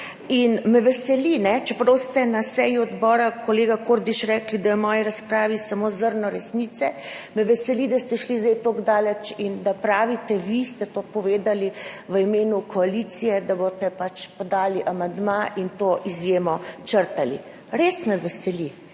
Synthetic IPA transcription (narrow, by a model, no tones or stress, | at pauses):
inmɛʋɛsɛlinɛt͡ʃɛpɾost̪ɛnasɛjuɔd̪bɔːɾakoleːɡakoɾd̪iʃɾɛːklid̪ajɔmɔːjiɾaspɾaːʋisamozəɾnɔɾɛsnit̪sɛmɛʋɛsɛlid̪ast̪ɛʃlizd̪ɛjt̪oɡd̪aːlɛt͡ʃind̪apɾaːʋit̪ɛʋist̪ɛt̪opɔʋeːd̪aliʋəimeːnukɔalit̪sijɛd̪abot̪ɛpat͡ʃpɔd̪aːliʔamand̪maʔint̪oʔizjeːmɔt͡ʃəɾt̪alḭ | ɾesmɛʋɛsɛli